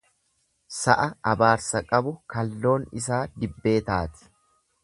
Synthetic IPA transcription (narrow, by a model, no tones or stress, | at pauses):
sɐʔɐɐbaːɾsɐkʼɐbʊkɐlːo̞ːnɪs̬aːd̪ɪbːe̞ːt̪aːt̪ɪ̥